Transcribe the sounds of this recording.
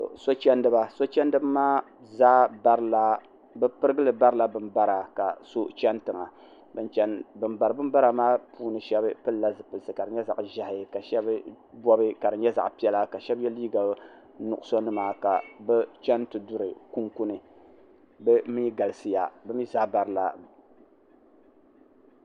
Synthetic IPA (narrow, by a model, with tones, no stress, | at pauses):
to̰˨ʔso˦t͡ʃɛ˦ndɨ˦ba˦so˦t͡ʃɛ˦n˦dɨ˦bmaː˦ | zaː˦ba˦ɾla˦ | bɛ˦pɨ˦ɾɨ˦ɡɨ˦lɨ˨ba˦ɾɨ˦la˦bɨ˨mba˦ɾa˨ka˨so˦t͡ʃɛ˦ntɨ˨ŋa˨ | bɨ˦nt͡ʃɛ˦nbɨ˨mba˨ɾɨ˨bɨ˦mba˦ɾa˨maː˦puː˦nɨ˨ʃɛ˦bɨ˦pɨ˦la˦zɨ˨pɨ˨lɨ˨sɨ˨ka˨dɨ˨ɲɛ˦za̰˨ʔʒa˦hɪ˨ka˨ʃɛ˦bɨ˦ | bɔ˦bɨ˦ka˨dɨ˨ɲɛ˦za̰˨ʔpi˦ɛ˦la˦ka˨ʃɛ˦bjɛ˦liː˦ɡa˨ | nʊ˨ʔʊ˦so˦nɨ˦maː˨ka˨bɛ˦t͡ʃɛ˦ntɨ˨dʊ˦ɾɨ˨ku˦ŋku˦nɨ˨ | bɛ˦mi˦ɡa˨lɨ˨sɨ˦ja˨bɨ˦mi˦za˦ba˨ɾɨ˦la˦